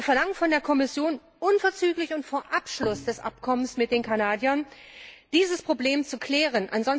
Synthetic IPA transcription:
viːɐfɛɐlaŋənfɔndeːɐkʰɔmɪsjoːn | ʔʊnfɛɐt͡syːklɪçʊntfoːɐʔapʃlʊsd̥ɛsʔa̰pkʰɔmənsmɪt̚d̥eːnkʰanaːdjɐnd̥iːzəspʁ̥obleːmt͡sukʰl̥ɛːʁ̞ənʔa̰nzɔn

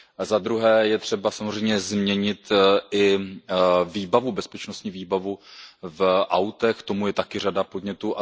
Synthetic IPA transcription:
zad̪ɾuɦɛːjɛt̪r̥ɛbasamor̝ɛjmɲɛzmɲɛɲɪt̪ɪ | viːbavubɛspɛt͡ʃno̞st̪ɲiːviːbavuvʔawt̪ɛxt̪o̞mujɛt̪akɪr̝adapo̞dɲɛt̪uːʔa

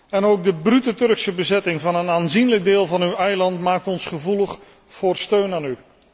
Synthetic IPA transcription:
ɛnowɡ̚dəbrytətɵrksəbəzɛtɪŋvɑnənaːnzinləɡ̚dɪːlˠvɑnywɛjlɑntmaːk̚tɔnsχəvuləχ | foːrstøɥnaːny

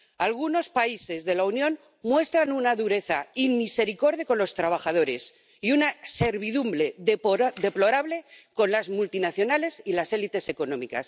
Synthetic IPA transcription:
alɣuno̞spaise̞zðe̞launjõ̞n | mwe̞st̪ɾanunaðuɾe̞θaimmise̞ɾiko̞ɾðjakonlo̞st̪ɾaβ̞axað̞o̞ɾe̞s | iunase̞ɾβiðumble̞d̪e̞plo̞ɾaβle̞ko̞nlazmult̪inaθjo̞nale̞silase̞lit̪e̞se̞ko̞nõ̞mika̰s

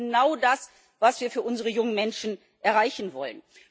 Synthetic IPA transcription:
naʊdas | vasv̥iːɐfyːɐʔʊnzəʁəjʊŋənmɛnʃn̩ | ʔɛɐʁaɪçn̩vɔ̰lən

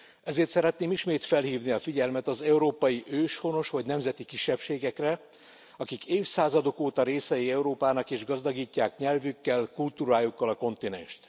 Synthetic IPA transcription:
ɛzeːrt̪sɛɾɛt̪neːmiʃmeːt̪fɛlhiːvniɒfiɟɛlmɛt̪ɒzɛuɾoːpɒjiʔøːʃho̞no̞ʃʋɒɟnɛmzɛt̪ikiʃːɛpʃeːɡɛkrɛ | ɒkikeːfsaːzɒd̪o̞koːt̪ɒɾeːsɛjiɛuɾoːpaːnɒkeːʒɡɒzd̪ɒɡiːcːaːkɲɛlvykːɛlkult̪uːɾaːjukːɒlɒko̞nt̪inɛ̰nʃt̪

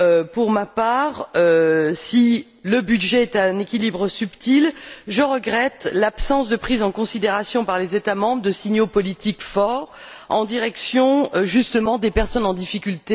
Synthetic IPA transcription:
øpuʁmapaʁøsi | ləbyd̪ʒɛɛt̪ɛ̃nekʲilibʁəsypt̪ilʒəʁəɡʁɛt̪lapsɑ̃sd̪əpχizɑ̃kɔ̃sid̪eʁasjɔ̃paʁlezet̪amɑ̃bʁəd̪əsiɲjopɔlit̪ikfɔʁɑ̃d̪iʁɛksjɔ̃ʒyst̪əmɑ̃d̪epɛʁsɔnɑ̃d̪ifikʲylt̪e

